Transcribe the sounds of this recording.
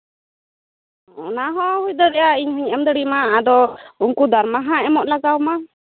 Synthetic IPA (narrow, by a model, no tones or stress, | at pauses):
ɔnaɦɔ̃hud̪ɔɾɛjaiɲɦɔɲɛmd̪əɽimaad̪ɔuŋkud̪aɾmaɦãɛmɔʔlaɡawma